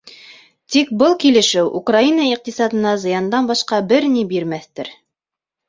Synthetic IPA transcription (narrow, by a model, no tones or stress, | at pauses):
t̪ik̚bɤlˠkilɘ̆ʃɘwʔukrainɑiq̚t̪isɑd̪ɤ̆nɑzɤ̆jɑnd̪ɑnbɑʃqɑbɘɾnibiɾmæθt̪ɘɾ